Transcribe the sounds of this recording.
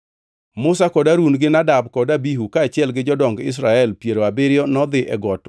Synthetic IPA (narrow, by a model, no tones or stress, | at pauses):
mʊsakɔdaɾunɡɪnadabkɔdabiɦukaːt͡ʃɪɛlɡɪd͡ʒɔdɔŋɡɪ̰s̬ɾaɛlpjeɾoabɪɾɪjɔnɔd̪ɪʔɛɡɔt